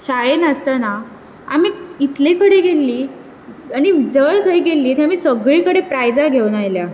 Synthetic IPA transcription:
ɕaɭenəst̪əna | amiːit̪lekəɽeɡelːiː | añid͡zəɭt̪ʰəjɡelːiːt̪eamiːsəɡɭiːkəɽepɾajd͡zaɡʱewnajlja

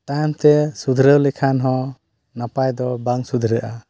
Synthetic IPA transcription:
t̪ajmt̪ɛsud̪ʱɾəwlekʰanɦɔ̃ | napajd̪ɔbaŋsud̪ʱɾəʔa

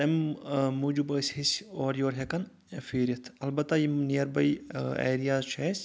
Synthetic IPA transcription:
ɐmmuːd͡ʒubɐsʲhisoːɾjoːɾɦekɐn | fiːɾʲit̪ʰɐlbɐt̪ːajinijɐɾbɐjḛːɾijaːzt͡ʃʰeːsʲ

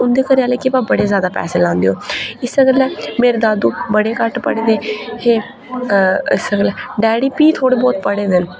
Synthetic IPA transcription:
ʊnd̪eːkəɾeːaːleːkɪbaːbəɽeːzjaːd̪aːpɛ̰ːseːlãːnd̪eːõːɪsəɡəlɛːmeːɾeːd̪aːd̪uːbəɽeːkəʈpə̰ɽeːd̪eːheː | ɪsəɡlɛːɖɛːɽiːpiːt̪ʰoːɽeːbɔːt̪̚pəɽeːd̪el

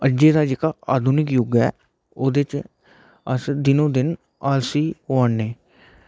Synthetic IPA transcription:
əd͡ʒeːd̪aːd͡ʒeːkaːaːd̪ʱuːnɪkjʊɡɛ̰ː | oːd̪et͡ʃ | əsd̪ɪnõːd̪ɪn | aːlsiːoaɳːeː

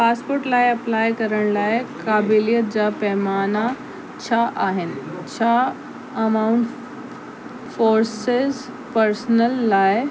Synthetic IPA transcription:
paːspoːɾʈlaːjɐplaːjkɐɾəɽ̃laːekaːbilijət̪̚d͡ʑapɛːmaːna | t͡ɕʰaʔaːɦɪnɪt͡ɕʰa | ɐmaʊɳʈ | foːɾsez | pəɾsnəlːaːj

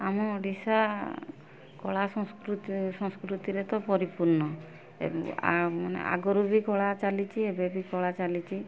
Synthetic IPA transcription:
amɔɖisa | kɔɭasɔ̃skɾut̪sɔ̃ŋskɾut̪iɾet̪ɔpɔɾipuɾnɔ | ḛa̰manḛʔa̰ɡɔɾubikɔɭat͡ʃalit͡ʃʰiebebikɔɭat͡ʃalit͡ʃʰi

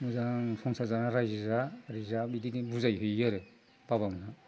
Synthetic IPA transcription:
muzanpʰɔŋsazanaɾajzizaɾizabidinibuzajɦujaɾɯ | b̥aβaŋna

